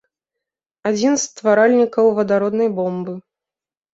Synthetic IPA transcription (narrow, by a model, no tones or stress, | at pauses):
ad͡zʲinst̪vaɾalʲnʲikɐwvɐd̪aɾɔd̪nɐjbɔmbɨ